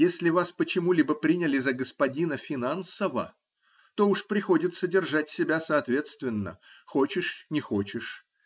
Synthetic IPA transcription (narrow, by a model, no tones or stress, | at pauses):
jesʲlʲɪvaspət͡ɕɪmulʲibəpɾʲinʲɪlʲɪzəɡəspɐdʲinəfʲɪnansəvə̰ | t̪o̞uʂpɾʲɪxo̞dʲɪt̪sədʲɪrʐatʲsʲɪbʲasɐɐt̪vʲe̞t̪st̪vʲɪnːə̰xot͡ɕɪʂnʲɪxo̞t͡ɕɪʂ